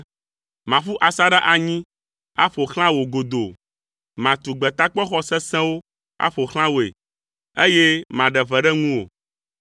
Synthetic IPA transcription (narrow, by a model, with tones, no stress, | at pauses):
mã˨ɸu˦ʔa˨sa˦ɖa˦ʔa˨ɲĩ˦ | a̰˦ɸo˨xl̃ã˦wo˨ɡo˨d̪o˨ | mã˨t̪u˨ɡ͡bɛ˨t̪a˦k͡pɔ˦xɔ˦sɛ˦sɛ̃˦wo˦ | a̰˦ɸo˨xl̃ã˦wo˨ḛ˨ | e˦je˦mã˨ɖɛ˨vɛ˨ɖɛ˦ŋũ˦wo̰˨